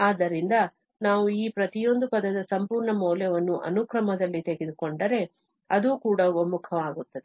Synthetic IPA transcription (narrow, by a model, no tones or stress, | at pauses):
aːd̪ːɐɾind̪ɐ | naːʋuiːpɾɐt̪ijo̞nd̪upɐd̪ɐd̪ɐsɐmpuːɾɳɐmɔːljɛʋɐnːuʔɐ̰nukɾɐmɐd̪ɐlːit̪e̞ɡid̪ukoɳɖɐɾe̞ | ɐd̪uːkuːɽɐomukʰɐʋaːɡut̪ːɐd̪e